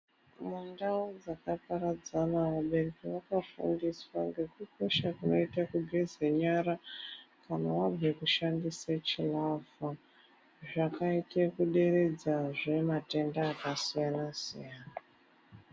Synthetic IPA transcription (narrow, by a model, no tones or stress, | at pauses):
mundaud͡zakapaɾad͡zanaʋaɓe̞rekiwakafṵndiswaŋɡe̞kuko̞ʃakuno̞itakuɡʱezeɲaɾakanawab͡vʱekuʃandiset͡ʃilafa | ʐakaitekuɗe̞re̞d͡zaʐe̞mate̞ndaːkasijanasḭjaːna